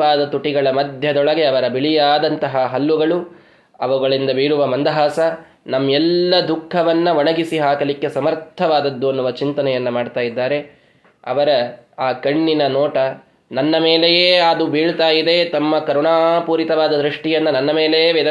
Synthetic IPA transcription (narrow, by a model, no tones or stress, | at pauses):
aːd̪ɐt̪uʈiɡɐɭɐmɐd̪ʱjɐd̪ɔɭɐɡe̞ɐʋɐɾɐbiɭijaːd̪ɐnt̪ɐɦɐɦɐlːuɡɐɭu | ɐʋuɡɐɭind̪ɐbiːɾuʋɐmɐnd̪ɐɦaːsɐ | nɐmːjɛlːɐd̪ukʰːɐʋɐnːɐʋɐɳɐɡisiɦaːkɐlikːe̞sɐmɐɾt̪ʰːɐʋaːd̪ɐd̪ːuɐnːuʋɐt͡ʃint̪ɐnɛjɐnːɐmaːɖt̪aːjid̪ːaːɾe̞ | ɐ̰ʋɐɾɐaːkɐɳːinɐnoːʈɐ | nɐnːɐmeːlejeːaːd̪ubiːɭt̪aːjid̪e̞t̪ɐmːɐkɐɾuɳaːpuːɾit̪ɐʋaːd̪ɐd̪ɾiʂʈijɐnːɐnɐnːɐme̞ːleːʋɛd̪ɐ